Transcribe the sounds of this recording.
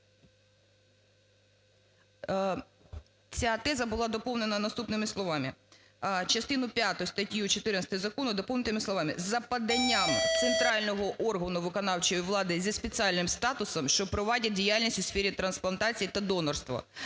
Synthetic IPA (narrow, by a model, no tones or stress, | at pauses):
t͡sʲat̪ɛzɐbʊlˠɑd̪ɔpɔwnenɐnɐst̪upnɪmɪslˠɔʋɑmɪ | t͡ʃɐst̪ɪnʊpʲjat̪ɔjʊst̪ɐtʲjut͡ʃɔt̪ɪɾnɐsʲt̪ɔjzɐkɔnʊd̪ɔpɔwnɪt̪ɪmɪsˠɔʋɑmɪzːɐpɐd̪ɐnʲːamt̪sent̪ɾɑlʲnɔɦɔʔɔrɦɐnʊʋɪkɔnɑwt͡ʃɔjiʋlˠɑd̪ɪzʲispʲet͡sʲɑlʲnɪmst̪ɑt̪ʊsɔmʃt͡ʃɔpɾɔʋɑdʲɐdʲijalʲnʲisʲtʲʊsfʲɛɾʲit̪ɾɐnsplˠɐnt̪ɑt͡sʲijit̪ɐd̪ɔnɔrst̪ʋɐ̰